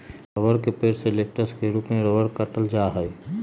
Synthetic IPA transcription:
ɾəʋəɾkepeːɾseleʈəskeɾuːpmẽɾəʋəɾkəʈəld͡ʒaɦəj

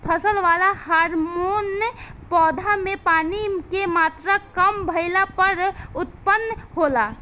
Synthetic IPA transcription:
pʰəsəlʋalahaɾmonpɔːd̪ʱamepaːnikemat̪ɾakəmbʱəɪlapəɾut̪̚pənːɦola

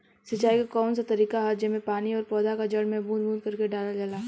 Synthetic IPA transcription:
sɪt͡ʃaːikakɔːnsat̪ɐɾiːkaɦaːd͡ʒjemẽpaːniɔːɾpɔːd̪akad͡ʒɐɽmẽbʱũːd̪bʱuːd̪̚kɐɾkeɖaːlad͡ʒaːlaː

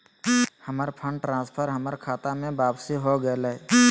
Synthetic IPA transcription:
həməɾpʰə̃ɳɖʈɾãːspʰəɾɦəməɾkʰaːt̪amẽbaːbsiɦoɡəeləɛ

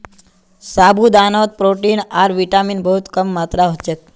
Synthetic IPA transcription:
sabud̪anot̪̚pɾoʈinaɾʋiʈaminbəɦut̪kəmːat̪ɾaɦot͡ʃet̪̚

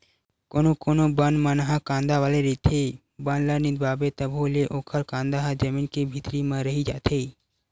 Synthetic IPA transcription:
koːnokoːnobənmənɦakãːnd̪aʋaːleɾit̪ʰe | bənləɾnid̪baːbet̪əbʱɦoleʔoːkʰəɾkãːnd̪aɦad͡ʒɐmiːnkebʱɪt̪ɾimẽɾəɦid͡ʒa̰ːt̪ʰe

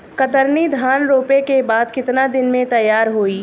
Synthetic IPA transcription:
kɐt̪əɾnid̪ʱaːnɾoːpekebaːd̪kɪt̪nad̪ɪnmẽt̪ɐjːaːɾɦoːiː

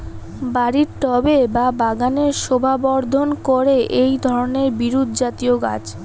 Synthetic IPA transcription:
baɾiɾʈɔbebabaɡaneɾʃobʱabɔɾd̪ʱonkoɾeʔejd̪ʱɔɾoneɾbiɾud̪ʱd͡ʑat̪ioɡa̰t͡ɕ

